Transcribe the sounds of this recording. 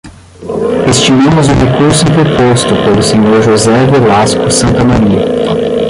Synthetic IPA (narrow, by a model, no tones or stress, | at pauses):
est͡ʃimɐ̃mʊzʊ̃hekuɾsʊĩt̪eɾpost̪ʊpelʊseɲoɾʒozɛvelaskʊsɐ̃nt̪ɐmaɾiɐ